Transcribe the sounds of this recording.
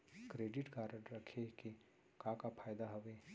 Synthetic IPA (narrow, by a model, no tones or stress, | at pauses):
kɾeːɖɪʈɡaːɾəɾɐkʰeke | kãkapʰaːjd̪aɦɐʋeː